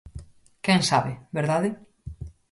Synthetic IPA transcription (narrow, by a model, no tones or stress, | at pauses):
kɛŋsaβɪbeɾðaðɪ